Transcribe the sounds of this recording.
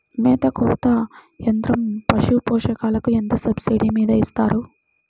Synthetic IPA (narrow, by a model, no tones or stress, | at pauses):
mɛːt̪ɐkuːt̪ɐend̪ɾɐmpɐʃupɔːʂɐkaːlɐkuend̪ɐsɐbsiɖimiːd̪ɐist̪a̰ːɾu